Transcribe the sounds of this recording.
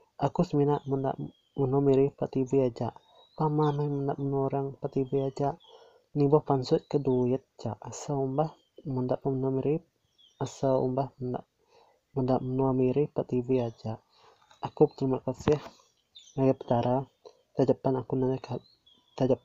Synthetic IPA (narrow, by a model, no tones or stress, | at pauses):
akusəminaʔmənda̰ʔ | mənuamiɾipaʔt̪ibiad͡ʒaʔ | pamanajməndaʔmənuaɾaŋpat̪ibiad͡ʒaʔ | nibɔhpansʊt̪̚kəduət̪̚t͡ʃaʔasaumbah | məndaʔpəmənuamiɾi | asawṵmbahmənda̰ʔ | məndaʔmənuamiɾipaʔt̪ibiad͡ʒaʔː | kupət̪əɾimaʔkasɪh | naɡapə̥t̪aɾa | t̪ad͡ʒapːanakunanaka | t̪ad͡ʒap̚